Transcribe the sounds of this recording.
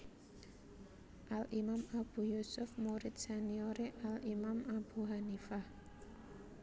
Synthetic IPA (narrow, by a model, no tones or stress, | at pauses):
ʔalimamab̥ṳjusʊfmoɾɪt̪̚sanioɾeʔalimamab̥uɦanifah